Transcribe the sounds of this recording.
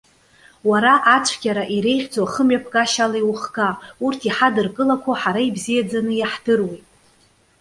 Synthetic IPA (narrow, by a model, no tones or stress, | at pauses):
waɾaʔat͡ʃʷʰɡʲaɾaʔiɾe̞jχʲd͡zwaχəmɥapʰɡʼaʃalaiwuχɡʼaurtʰiħadɨrkʼɨlakʷʰaħaɾaibzijad͡zanɨjaħd̥ɨrwejtʼ